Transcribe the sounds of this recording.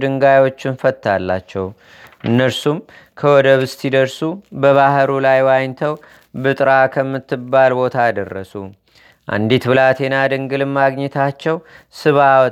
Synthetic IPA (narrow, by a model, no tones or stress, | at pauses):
d̪ɨŋɡajwo̞t͡ʃːɪnfət̪ʰːa̰lːa̰t͡ʃːɛw | ʔɨnːəɾsum | kʰəwɔd̪əβɨst̪ʰid̪əɾsubəβahɾulajwajnt̪ʰəw | bɨt̪ʼɾakʰəmːɨt̪ːɨbːalbo̞t̪ʰajd̪ərːə̰su | ʔa̰nd̪it̪bɨlat̪ʰe̞nad̪ɨŋɡɨlɨmaɡɲɛt̪ʰat͡ʃːɛwsɨβa